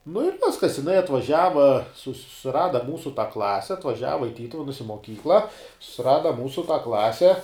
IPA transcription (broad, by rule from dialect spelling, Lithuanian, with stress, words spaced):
nʊ ɪr ˈʋʲɪskɐs jɪˈnɐɪ ɐtʋɐˈʒʲæːʋɐ sʊs sʊˈrɑːdɐ ˈmuːsʊ tɑː ˈklˠɑːsʲɛ ɐtʋɐˈʒʲæːʋɐ ɪ ˈtʲiːtʊʋʲɛnʊs ɪ moːˈkʲiːklˠɐ sʊsʲɪˈrɑːdɐ ˈmuːsʊ tɑː ˈklˠɑːsʲɛ